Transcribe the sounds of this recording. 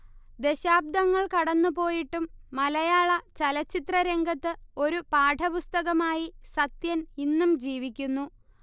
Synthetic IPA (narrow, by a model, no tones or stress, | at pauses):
d̪e̞ɕaːb̚d̪ɐŋːɐɭkɐɽɐnːupo̞ːjiʈːumːɐlɐjaːɭɐt͡ɕɐlɐt͡ɕːit̪rɐɾe̞ŋɡʱɐt̪ːɨo̞ɾupaːʈʰɐpust̪ɐɣɐmaːjisɐt̪jɐninːumd͡ʑiːʋikʲːunːu